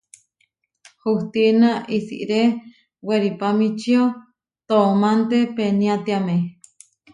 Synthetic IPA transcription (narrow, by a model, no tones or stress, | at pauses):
huht̪inaʔisḭʔɾe | weɾipamit͡ʃio | t̪omant̪epenĩat̪iamẽ